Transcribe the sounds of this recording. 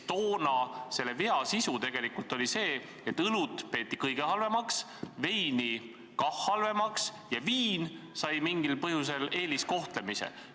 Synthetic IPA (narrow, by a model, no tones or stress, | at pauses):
t̪o̞ːnɑse̞lːe̞veɑsisut̪e̞ɡ̥e̞likult̪ˑo̞lise̞ː | et̪ːɯlut̪pe̞ːt̪ːˑikɤjɡ̥e̞hɑlve̞mɑks | ve̞jni | kɑhːɑlve̞mɑks | jɑviːnsɑjmiŋɡ̥ilpɤɦjuse̞le̞ːlisko̞ht̪le̞misḛ